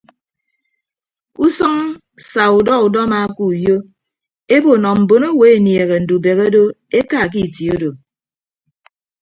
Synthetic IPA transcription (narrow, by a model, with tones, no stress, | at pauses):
ku˦sʌ˦ŋ | sa˨u˨dɔ˦u˨dɔ˦ma˨˦ku˦˨jo˦ | e˦bo˨nɔ˨m̩˨bo˨no˦we˨e˨nje˨ɣe˨n̩˨du˨be˨ɣo˦do˦e˦ka˦˨k̬i˦˨ti˨o˦do˨